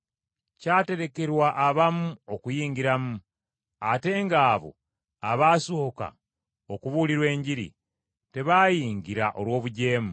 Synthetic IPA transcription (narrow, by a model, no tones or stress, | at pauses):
caːte̞ɾe̞ke̞ɾwaʔːβamuokujiːŋɡiɾamu | ate̞ːŋɡaːβo̞̰ | aβaːsoka̰ | okuβuliɾwe̞ːɲɟiɾḭ | te̞βaːjiːŋɡiɾaʔo̞lwo̞ːβuɟe̞ːmu